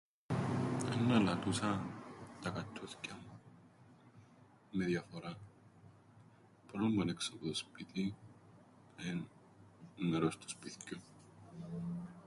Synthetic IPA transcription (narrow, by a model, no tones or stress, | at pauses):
ḛnunalat̪usat̪akat̪ʰːoθcam | meðjafoɾa | pɾomboneksopoðospit̪i | en | meɾost̪o̥spiθco